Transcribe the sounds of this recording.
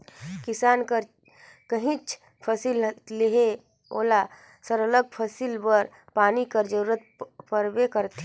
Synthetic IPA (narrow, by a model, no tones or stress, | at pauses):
kɪsaːnkəɾ | kəɦĩt͡ʃʰ | pʰəsilleɦe | o̰ːla | səɾələɡ̚pʰəsilbəɾ | paːnikəɾd͡ʒəɾuːɾət̪̚pəɾbekəɾt̪ʰe